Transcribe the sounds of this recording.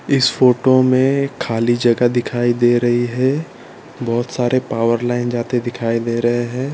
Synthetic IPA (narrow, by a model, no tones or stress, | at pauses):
ɪsfoːʈomẽkʰaːlid͡ʒɐɡəd̪ɪkʰaːid̪eːɾɐɦiɦɛ̃ | bɔːt̪saːɾepaːwəɾlaːɪnd͡ʒaːt̪ed̪ɪkʰaːid̪eːɾɐɦeɦɛ̃ː